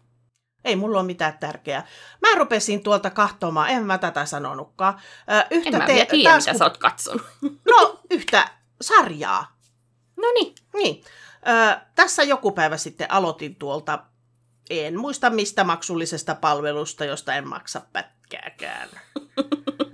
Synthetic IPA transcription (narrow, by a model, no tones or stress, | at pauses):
eimulːoːmit̪æːt̪t̪ærkeæmærupesint̪uolt̪ɑkɑht̪omɑːʔehæmmæt̪æt̪æsɑno̰nukːɑːʔːʔyhmææ̰eiːɑɑːt̪æsoːt̪kɑt̪so̰nunoyht̪æ̰ | sɑrjɑ̰ː | noni | niː | ʔəːt̪æsːæjokupæiʋæsit̪ːḛʔɑlot̪int̪uolt̪ɑ | enmuist̪ɑmmist̪æmɑksulːisest̪ɑpɑlʋelust̪ɑjost̪ɑemmɑ̰ksɑppæ̰t̪kæ̰ːkæ̰ːn